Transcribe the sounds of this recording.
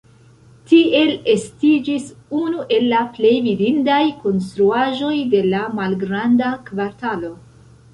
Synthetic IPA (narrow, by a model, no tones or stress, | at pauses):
tie̞le̞stid͡ʒisunuʔe̞lːaple̞jvidindajko̞ns̬tɾuaʒo̞jde̞lamalɡɾandakvaɾtalo̞